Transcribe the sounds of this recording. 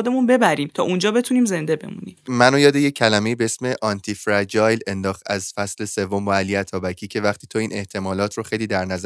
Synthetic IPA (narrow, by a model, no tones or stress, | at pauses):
od̪e̞munbe̞bæɾiːmt̪ʰɒ̰ːʔund͡ʒɒːbe̞t̪ʰuniːmze̞nd̪e̞be̞̰mṵnḭːmænojɒːd̪e̞jecʰːælæme̞iːbeesme̞ʔɒnt̪ʰifɾæd͡ʒɒːjle̞nd̪ɒːχt̪æzfæsle̞se̞vːombɒæliæt̪ʰɒːbæcʰiːcʰe̞væχt̪iːt̪ʰoiːnʔe̞ht̪ʰe̞mɒːlɒːt̪ʰɾoxe̞jliːd̪æɾnæz